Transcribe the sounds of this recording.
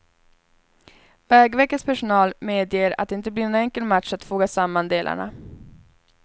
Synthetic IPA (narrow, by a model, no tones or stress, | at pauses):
vɛːɡvɛkːət̪spʰæʂʊnɑːlmeːd̪jeːɾa̰t̪̚d̪ɛɪnt̪əbliːnɛnɛŋkəlmat̪ʂat̪fuːɡasamːand̪eːlʔa̰ɳa̰